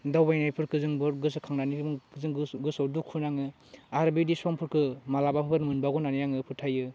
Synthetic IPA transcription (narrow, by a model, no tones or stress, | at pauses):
dawbajnajpʰɯɾkʰɯzɯŋbɯɾɡɯsɯkʰaŋnanizɯŋɡɯsawdukʰːɯnaŋɯ | aɾbidisɔmpʰɯɾkʰɯmalabapʰɯpʰɯɾmɯnbaɡɔnanijaŋɯpʰɯtʰajɯ